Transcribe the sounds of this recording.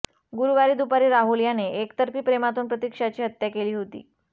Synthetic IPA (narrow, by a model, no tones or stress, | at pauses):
ɡuɾuʋaɾiːd̪upaɾiːɾaɦuljaneʔekt̪əɾpiːpɾemat̪uːnpɾət̪ikʂat͡ɕiːɦət̪jakeliːɦot̪ḭː